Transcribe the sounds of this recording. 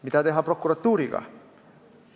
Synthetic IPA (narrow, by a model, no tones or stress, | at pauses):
mit̪ad̪eɦɐpɾɔkuɾɐt̪uɾiɡa̰